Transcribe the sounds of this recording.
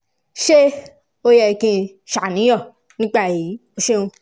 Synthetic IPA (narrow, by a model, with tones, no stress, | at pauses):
ʃe˦ | o˧jɛ˧˨kĩ˧ | ʃa˨nĩ˨˦jɔ̃˦˨ | nĩ˦k͡pa˦˨ji˨˦o˦ʃe˦ũ˧